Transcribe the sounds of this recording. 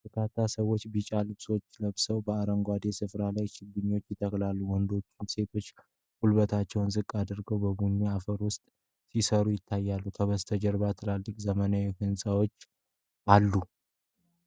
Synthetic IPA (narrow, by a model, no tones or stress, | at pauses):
t̪ʰəkʰat̪ʰːasəwo̞t͡ʃːbɨt͡ʃʼalɨβso̞t͡ʃːləβsəwbəaɾəŋɡʷad̪e̞sɨfɾalajʃɪɡɨɲːo̞t͡ʃːjɪt̪ʰəklalːuwɔnd̪o̞t͡ʃːɪnse̞t̪ʰo̞t͡ʃː | hulbət̪ʰat͡ʃːɛwnzɨkʼːad̪əɾɡəwbəbuɲːiafəɾwʊst̪ʼ | sisəɾujɪt̪ʰːajːalːukʰəβəst̪ʰəd͡ʒəɾbat̪ʰɨlalːɨkʼzəmənawihɨnsʼawo̞t͡ʃː | ʔalːu